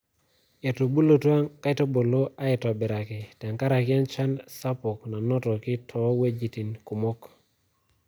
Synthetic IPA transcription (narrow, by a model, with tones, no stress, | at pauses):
e˨to˨bu˦lo˨twa˦ŋka˦ɪ˦to˦bo˨lo˦a˦ɛ˨ta˨bɪ˨ɾa˨ki˨tɛ˨ŋka˦ɾa˨kɪ˦a˦nt͡ʃa˦nsa˦pʊ˨kna˨nɔ˦tɔ˨kɪ˦tʰɔ˨˦we˦d͡ʒi˨ti˨nku˨mo˦k